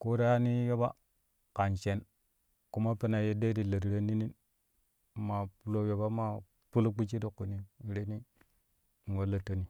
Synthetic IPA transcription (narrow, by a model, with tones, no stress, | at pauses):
ko˦ɾa˦ja˦ni˦jo˦ba˦ | ka˨nt͡ʃe˦n | ku˦ma˦pe˦na˨je˦de˦ɾi˨lə˨ɾɾe˦ni˦ni˦n | ma˨pu˨lo˦je˨ba˦ma˨ | pu˦lu˦k͡pi˦t͡ʃi˦ɾi˨ku˨ni˨ɾe˦ni˦ | ŋ˨wo˦la˦to˦ni˨